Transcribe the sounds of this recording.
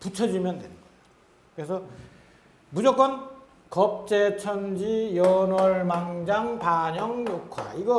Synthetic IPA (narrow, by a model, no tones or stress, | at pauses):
put͡ɕʰʌd͡ʑimjʌndwen | kɯɾesʰʌ | mud͡ʑʌk͈ʌn | kʌp̚t͡ɕ͈et͡ɕʰʌnd͡ʑijʌnwʌɭmaŋd͡ʑaŋpaɲʌŋjokʰwa̰iɡʌ